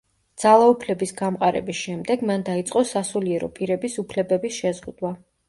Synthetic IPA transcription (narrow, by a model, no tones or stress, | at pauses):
d̪z̥alˠaupʰlɛbisɡamqʼaɾɛ̰bisʃɛmd̪ɛɡmand̪ait̪sʼqʼɔsasuliɛɾɔ̰pʼiɾɛbisupʰlɛbɛbisʃɛzʁud̪wa